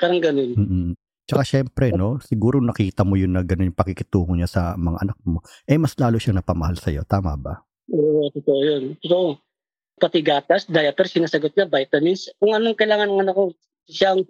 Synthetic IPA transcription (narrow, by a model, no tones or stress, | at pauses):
kaɾɐŋɡɐnonm̩ːʔ̩ | t͡ʃɐkaʃɛmpɾɛno̞sɪɡuːɾonɐkiːt̪ɐmo̞jʊnːɐɡɐnonjʊŋpɐkikɪt̪uːŋoɲasɐmɐŋa̰ʔɐnɐk̚mo̞ʔɛmɐslaːloʃaŋnɐpɐmɐhalsɐ̰jo̞̰t̪aːmɐ̰bɐ̰ | ʔoːʔʔot̪ot̪oʔojont̪ot̪oʔo | pɐt̪ɪɡaːt̪ɐsd̪ajɐp̪ɛɾsɪnaːsɐɡot̪̚ɲabajt̪ɐminskʊŋɐnoŋkɐjlaːŋɐnɐŋɐnɐko | ʃaŋ